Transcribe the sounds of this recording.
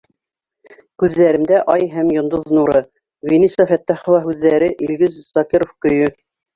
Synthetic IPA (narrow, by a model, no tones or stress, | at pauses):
kʉðːæɾɘ̆md̪æʔɑjɦæmjŏnd̪oðnuɾɤ | venisɑfæt̪ːæχŏwɑɦʉðːæɾɘʔilɡɘzsɑkiɾofkɵ̆jɵ